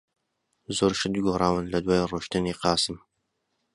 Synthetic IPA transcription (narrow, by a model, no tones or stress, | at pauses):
zoːɾʃɨd̪ɡoːɾˤɑːwɨnlɐd̪waːjroːʃt̪ɨniqɑːsɨm